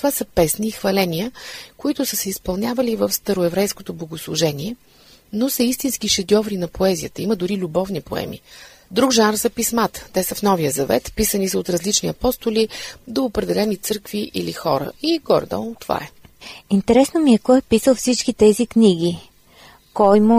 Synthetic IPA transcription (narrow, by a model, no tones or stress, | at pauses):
t̪ovasəpɛsniːxvɐlɛnijəkoit̪ʊsəsɛispɐlˠnʲavəlivəfst̪ɐɾoɛvɾɛjskot̪oblˠoɡoslˠʊʒɛniɛ | nosəist̪insk̟iʃɛd̪ʲɔvɾinɐpoɛzijət̪əiməd̪ʊɾilʲubɔvnipoɛ̰mḭ | d̪ɾuɡʒanɾzɐpismat̪ə̥t̪ɛsəfnɔvijəzɐvɛ̰t̪pisənisəot̪ɾɐzlit͡ʃniɐpɔst̪ʊlid̪oːpɾɛd̪ɛlɛnit̪sɤɾkviʔḭlixɔɾə̰iɡɔ̰ɾd̪ə̰not̪ːva̰ɛint̪ɛɾɛsnomiɛkɔɛpisəlˠfsit͡ʃkit̪ɛzikniɡ̟ʲi | kɔjmo